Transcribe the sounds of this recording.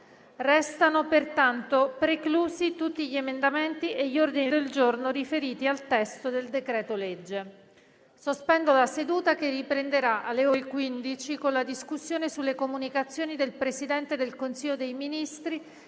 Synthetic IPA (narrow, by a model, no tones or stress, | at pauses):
rɛst̪anopert̪ant̪opɾekluːsit̪ut̪ːiʎiemend̪ament̪iʔeʎːiord̪inid̪eld͡ʒornorifeɾiːt̪ialt̪ɛst̪od̪eld̪ekɾɛːt̪oled͡ʒːe | sospɛnd̪olased̪uːt̪akeripɾend̪eɾaʔalːeoɾekwind̪it͡ʃikonlad̪iskusːjoːnesulːekomunikat̪sːjoːnid̪elpɾesid̪ɛnt̪ed̪elkonsiʎːod̪ejminist̪ɾi